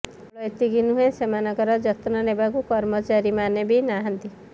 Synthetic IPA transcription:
lɔjt̪iɡinuɦẽsemanɔkɔɾɔd͡ʒɔt̪nɔnebakukɔɾmɔt͡ʃaɾimanebinaɦʌnt̪i

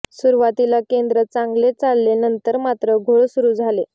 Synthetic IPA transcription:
suɾuʋat̪ilakend̪ɾət͡sãŋɡlet͡salːenənt̪əɾmat̪ɾəɡʱoɭsuɾuːd͡zʱale

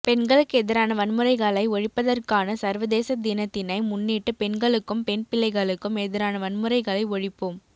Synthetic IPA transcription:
pɛnɡɐɭɯkːɯɛðɪɾaːnɐʋɐnmɯɾɐɪɣɐɭɐɪɔɻɪpːɐðɐrkaːnɐsɐɾʋɐðeːsɐd̪ɪnɐt̪ːɪnɐɪmʊnːiːʈːɯpɛnɡɐɭɯkːɯmpɛnpɪlːɐɪɣɐɭɯkːɯmɛðɪɾaːnɐʋɐnmɯɾɐɪɣɐɭɐɪɔɻɪpːom

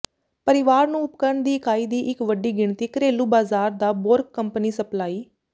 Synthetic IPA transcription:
pəɾɪʋaːɾnũːʊpkəɾəɳd̪iːkaːiːd̪iːʔɪkʋəɖiːɡɪɳt̪iːkəɾeːluːbaːzaːɾd̪aːboɾkːəmpniːsəplaːiː

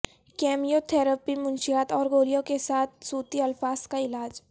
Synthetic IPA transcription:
kɛːmijot̪ʰɛːɾəpimʊ̃nʃiaːt̪ɔːɾɡoːlijõkesaːt̪̚ʰsuːt̪iɐlfaːskaɪlaːd͡ʒ

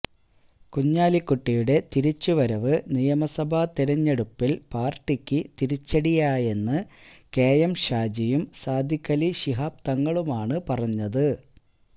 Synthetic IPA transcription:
kuɲːaːlikːuʈːijuɽe̞t̪iɾit͡ɕːuʋɐɾɐʋɨnijɐmɐsɐbʱat̪iɾɐɲːeɽupːilpaːrʈːikʲːɨt̪iɾit͡ɕːɐɽijaːje̞nːɨke̞ːjɐmɕaːd͡ʑijumsaːd̪ʱikːɐliɕiɦaːp̚t̪ɐŋːɐɭumaːɳɨpɐrɐɲːɐðɨ

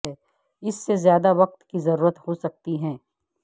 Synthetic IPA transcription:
ɛ | ɪsːezjaːd̪aʋɐq̚t̪kizɐɾuːɾət̪hosɐk̚t̪iɦɛ̃ː

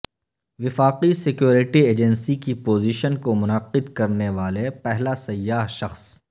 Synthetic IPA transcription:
ʋɪfaːqisɪkjoːɾɪʈieːd͡ʒənsikipoːziːʃənkomʊnəqɪd̪kɐɾneʋaːlepɛɦlasɐjːaːɦʃɐxs

